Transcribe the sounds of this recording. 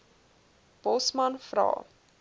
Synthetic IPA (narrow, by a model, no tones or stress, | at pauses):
b̥ɔsmɐnfrɑ̰ː